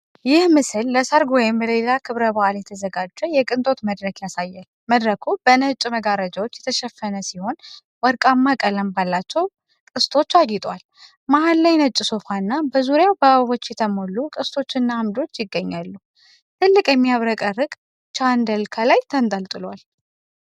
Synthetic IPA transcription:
jɪhmɨsɨlːəsəɾɡojɛməlelakʰɨβɾəbaʔaljɛt̪ʰəzəɡad͡ʒːɛjɛkʼɨnt̪ʼo̞t̪məd̪ɾəkjasajːal | məd̪ɾəkʰub̥ənət͡ʃʼməɡaɾəd͡ʒawot͡ʃːjɛt̪ʰəʃɛfːənəsiho̞n | wɔɾkʼamːakʼələmbalːat͡ʃːɛw | kʼɨst̪ʰo̞t͡ʃːajɪt̪ʼwal | mahalːajnət͡ʃʼːɪso̞fanːabəzuɾjawbəaβo̞t͡ʃːjɛt̪ʰəmo̞lːukʼɨst̪ʰo̞t͡ʃːɨnːaamd̪o̞t͡ʃːjɪɡːəɲːalːu | t̪ʰɨlːɨkʼjɛmːijaβɾəkʼərːɨkʼ | t͡ʃʰand̪əlkʰalajt̪ʰənt̪ʼəlt̪ʼɨlwal

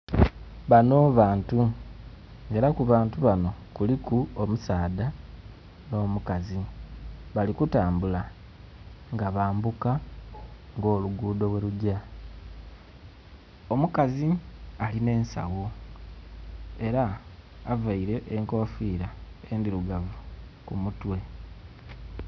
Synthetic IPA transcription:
βano̞ːβaːntu | ŋeɾakuβaːntuβano̞kulikuomusaːda | no̞ːmukazi | βalikutaːmbula | ŋɡaβaːmbuka | ŋɡo̞ːluɡuːdo̞βwe̞ɾuɟa | o̞mukazialine̞ːnsa̰ɣu | e̞ɾaː | vaiɾe̞ʔːŋko̞fiːɾae̞ndiɾuɡavu | kumutwe̞

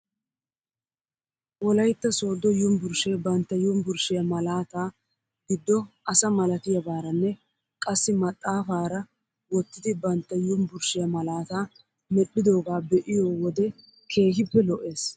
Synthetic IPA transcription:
wɔlɐjt̪ːɐso̞ːd̪ːɔjʊmbʊɾʃeːbɐnt̪ːɐjʊmbʊɾʃɪjɐmɐlaːt̪aː | ɡɪd̪ːɔʔɐsɐmɐlɐt̪ɪjɐbaːɾɐnːɛ | kʼɐsːɪmɐt̪ʼːaːfaːɾɐ | wɔt̪ːɪd̪ɪbɐnt̪ːɐjʊmbʊɾʃɪjɐmɐlaːt̪aː | mɛɗːɪd̪o̞ːɡaːbɛʔɪjoːwɔd̪ɛ | kʰe̞ːhɪpːɛlɔʔe̞ːs

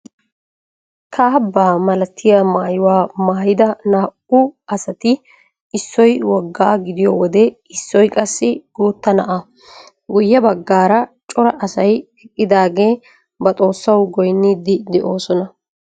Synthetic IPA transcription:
kʰaːbːaːmɐlɐt̪ʰːɪjamaːjɪwaːmaːjɪd̪ɐnaːʔʊɐsɐt̪ɪ | ɪsːɔjwɔɡːaːɡɪd̪ɪjɔwɔd̪ɛ | ɪsːɔjkʼɐsːɪɡ̥uːt̪ːɐnɐʔɐ | ɡʊjːɐbɐɡːaːɾɐt͡ʃʼɔɾɐʔɐsɐj | ɛkʼːɪd̪aːɡe̞ː | bɐt̪ʼo̞ːsːɐwɡɔjnːiːd̪ɪd̪ɛʔo̞ːsɔnɐ

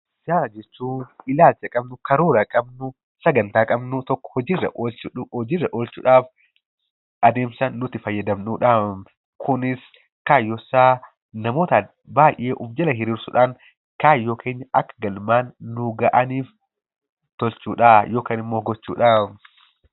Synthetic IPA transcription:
d͡ʒaːɾɐd͡ʒɛt͡ʃːuːɪlaːlt͡ʃɐkʼɐbnʊkɐɾuːɾɐkʼɐbnʊ | sɐɡɐnt̪aːkʼɐbnʊt̪ɔkːɔ̥hɔd͡ʒiːrːɐ̰ʔt͡ʃɔd͡ʒiːrːɐʔoːlt͡ʃʊ̰ᶑaːf | ʔɐd̪eːmsɐnːʊt̪ɪfɐjːɐd̪ɐmnuːᶑam | kʰʊnɪs | kaːjːɔsːaː | nɐmoːt̪ɐ | baːjʔe̞ːʔʊbd͡ʒɐlɐɦɪɾiːɾsʊᶑaːŋ | kaːjːo̞ːkʰe̞ːɲːɐʔɐkːɐɡɐlmaːnːʊɡɐʔɐniːf | t̪ɔlt͡ʃuːᶑaːjo̞ːkaːnɪmːo̞ːɡɔt͡ʃːṵːᶑaː

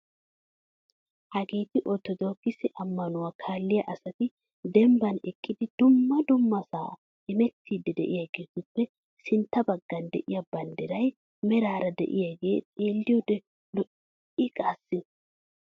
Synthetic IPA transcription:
hɐɡeːt̪ɪʔɔt̪ːɔd̪oːɡɪsɪʔɐmːɐnʊwaːkʰaːlːɪjɐʔɐsɐt̪ɪ | d̪ɛmbɐnɛkʼːɪd̪ɪd̪ʊmːɐd̪ʊmːɐsaː | ɛmɛt̪ːiːd̪ɛd̪ɛ̰ʔɪjaɡe̞ːt̪ʊpːɛ | sɪnt̪ːɐbɐɡːɐnd̪ɛʔɪjɐbɐnd̪ɛɾɐj | mɛɾaːɾɐd̪ɛ̰ʔɪ̰jaɡe̞ːt̪ʼeːlːɪjɔd̪ɛ | lɔʔ | ɪkʼaːsːɪ

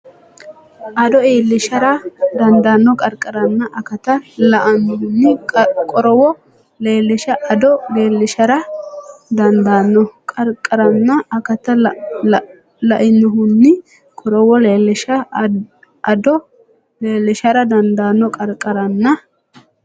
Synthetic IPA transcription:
ʔɐd̪ɔe̞ːlːɪʃɐɾɐd̪ɐnd̪ɐnːɔkʼɐɾkʼːɐɾɐnːɐʔɐkɐt̪ɐlɐʔɐnːhʊnːɪkʼɔɾɔwɔ | leːlːɪʃɐʔɐd̪ɔle̞ːlːɪʃɐɾɐ | d̪ɐnd̪anːɔkʼɐɾkʼːɐɾɐnːɐɐkɐt̪ɐ | lɐʔɪnːɔɦʊnːɪ | kʼɔɾɔwɔleːlːɪʃɐ | ɐd̪ɔ | leːlːɪʃɐɾɐd̪ɐnd̪aːnːɔkʼɐɾkʼɐɾɐnːɐ

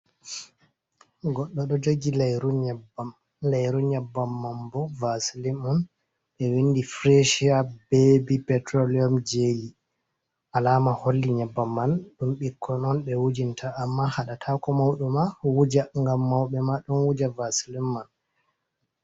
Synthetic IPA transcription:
ɡɔɗːɔɗɔd͡ʒoɡilajɾuɲɛbam | lɛjɾuɲabːamːambɔvasilimɔn | ɓɛwinːdifɾeʃiabebipɛtɾoliɔmd͡ʒeli | ʔalaːmaholːiɲɛbːamːanɗumɓikʰːɔnɔnɓɛwud͡ʒintʰaʔːmːahaɗatʰakɔmawɗumawud͡ʒaŋɡamːawɓɛmaɗunwud͡ʒavasilimːan

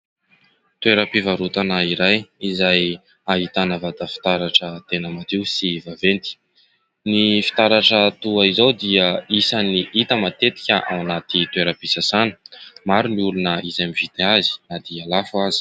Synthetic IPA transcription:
t̪weɾəpivaɾut̪anaiɾajizaj | aɦit̪anəvad̪əfi̥t̪aɾaʈ͡ʂət̪enəmat̪ewsivavent̪i̥ | nifi̥t̪aɾaʈ͡ʂət̪uaizowd̪iəisaniʔit̪əmat̪et̪i̥kʲəʔa̰wanat̪it̪weɾəpisasanə̥maɾuniulunəizajmivit̪eazi̥nad̪ialafuazi̥

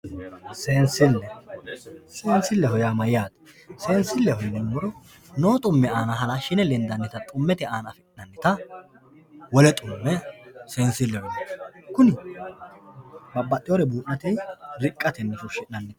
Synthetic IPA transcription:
seːnsɪlːɛ | seːnsɪlːɛɦɔjaːmɐjɪjaːd̪ | seːnsɪlːɛhɔnːɛmːɔɾɔ | noːt̪ʼʊmːɛaːnɐɦɐlaʃɪnɛlɛnd̪ɐnːɪt̪ɐt̪ʼʊmːɛt̪ɪaːnɐfɛnɐnːɪt̪ɐ | wɔlɛt̪ʼʊmːɛse̞ːnsɪlːɛhɔjɐkʊnɪ | bɐbːɐt̪ʼːɪjɔɾɛbuːʔnɐt̪ɛjɾɪkʼːɐt̪ɛnːɛfʊʃɪʔnɐnːɪt̪ɐ̥

